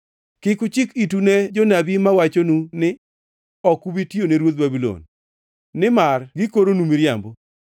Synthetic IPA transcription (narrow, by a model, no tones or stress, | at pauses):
kɪkʊt͡ʃɪkituned͡ʒɔnabimawat͡ʃonunɪ | ɔkubitioneɾwot̪̚babilo̰nː | ɪmarɡɪkoɾonumiɾjambo